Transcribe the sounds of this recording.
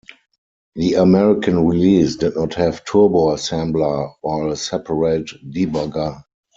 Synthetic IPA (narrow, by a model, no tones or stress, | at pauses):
ðiəmɛɹɪkʰə̃nɹiliːsdɪdnɔthɛvtʰubosɛ̃mbləwaɪlsɛpʰəɹeɪtdibaɡa